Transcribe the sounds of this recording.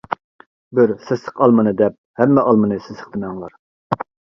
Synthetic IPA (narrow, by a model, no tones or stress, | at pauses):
bɪɾsɪsə̥qɑlˠmɨnɨd̪ɛp̚hɛmːɛʔɑlˠmɨnɨsesə̥χd̪ɪmɛŋlˠɑɾ